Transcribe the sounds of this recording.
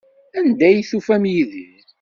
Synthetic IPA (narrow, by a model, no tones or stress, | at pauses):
ænd̪æjθufæmjiðið